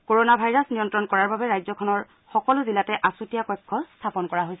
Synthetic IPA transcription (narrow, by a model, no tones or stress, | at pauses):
koɹonabʱajɹasnijɔntɹɔnkɔɹaɹbabɛɹajzɔkʰɔnɔɹ | xɔkɔlʊzilatɛʔasutijakɔjkʰːɔstʰapɔnkɔɹaɦojsɛ